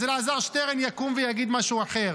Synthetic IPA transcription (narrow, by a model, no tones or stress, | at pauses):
zelaːzaʁʃt̪eʁenjakumvejaɡid̪maʃuaχeʁ